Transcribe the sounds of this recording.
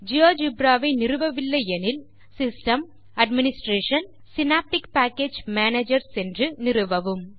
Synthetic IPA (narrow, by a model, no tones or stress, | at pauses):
d͡ʒɪoːd͡ʒɪbɾaːʋɐɪnɪɾɯʋɐʋɪlːɐjɛnɪl | sɪsʈɐm | ɐɖmɪnɪsʈɾeːʂɐn | sɪnaːp̚ʈɪkpaːkːeːd͡ʒmaːneːd͡ʒɐɾsɛndrɯnɪɾɯʋɐʋɯm